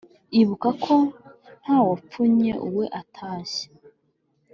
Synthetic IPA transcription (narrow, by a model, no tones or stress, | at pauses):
iβukakʰon̥haːwap͡fuɲeʔuwe̞ʔatʰaːʃe̥